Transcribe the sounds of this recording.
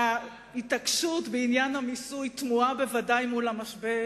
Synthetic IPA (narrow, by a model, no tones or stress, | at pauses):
a | itakʃutbeinjanhamisujt̪muabe̞vadajmulamaʃbe